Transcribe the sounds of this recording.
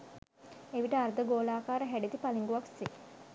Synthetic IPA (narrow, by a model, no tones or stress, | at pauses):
eʋiʈəaɾd̪əɡoːlaːkaːɾəɦæɖed̪ipaliŋɡuʋakse